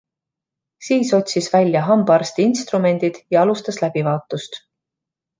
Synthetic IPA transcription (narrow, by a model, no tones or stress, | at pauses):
siːso̞t̪ʲsisvælʲːjɑɦɑmb̥ɑrst̪inst̪rume̞nʲd̪̥id̪̥jɑɑlust̪ɑslæb̥ivɑːt̪ːˑust̪